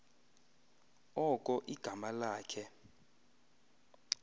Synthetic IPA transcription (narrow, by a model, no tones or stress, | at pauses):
ɔkʼɔʔiɡ̥ʱamalaːkʰɛ